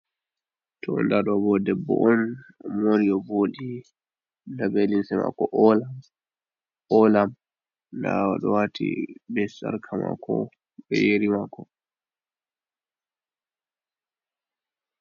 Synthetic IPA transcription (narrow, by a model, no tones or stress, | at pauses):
tʰɔɔ̰ndaɗɔbɔdɛbːɔ̰ʔɔnmoɾijɔboːɗi | dabelinsɛma̰kɔʔɔla | ɔlam | dawaɗɔwatʰḭbɛsa̰ɾkʰama̰kʰːɔ | ɓɛjeɾimakːɔ